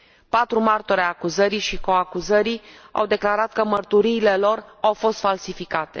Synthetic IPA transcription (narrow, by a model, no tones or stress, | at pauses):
pat̪ɾumart̪oɾeaakuzəɾiʃiko̞akuzəɾia̰wd̪e̞klaɾat̪̚kəmərt̪uɾiːle̞lo̞rawfo̞st̪falsifikat̪e̞̰